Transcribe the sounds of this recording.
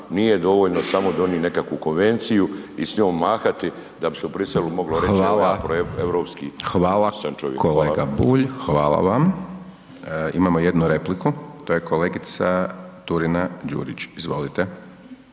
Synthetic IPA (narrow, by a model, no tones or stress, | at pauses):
nijed̪o̞ʋoːʎnosamo̞d̪o̞niːne̞kakʋuko̞nʋe̞nt̪sijuisɲoːmːaːxat̪i | d̪abiseubɾiselumo̞ɡloɾxexʋaːlˠapɾoeʋɾoːpskiːxʋaːlaant͡ʃojḛkʰoleːɡabuːʎxʋaːlˠa̰ʋam | imamoje̞d̪nuɾe̞plikut̪oːje̞koleːɡit̪sat̪uɾinad͡ʑṵːɾit͡ɕizʋo̞lit̪e